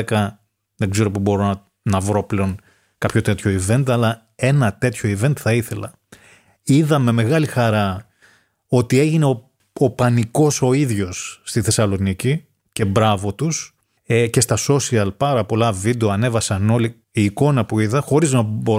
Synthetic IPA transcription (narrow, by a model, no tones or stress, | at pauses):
ekɐ | ðe̞ɡze̞ɾo̞pobo̞ɾo̞ɐ | nɐvɾo̞ple̞o̞n | kɐpço̞t̪e̞t̪ço̞ive̞nt̪ɐlɐ | e̞nɐt̪e̞t̪ço̞ive̞nt̪θɐiθe̞lɐ | iðɐme̞me̞ɣɐlixɐɾɐ | o̞t̪ie̞ʝine̞o | opɐniko̞so̞iðʝo̞sːt̪iθe̞sɐlo̞nici | ce̞bɾɐvo̞t̪us | ece̞st̪ɐso̞siɐlpɐɾɐpo̞lɐvid̪eoɐne̞vɐsɐno̞li | iːko̞nɐpuiðɐxo̞ɾiznɐbo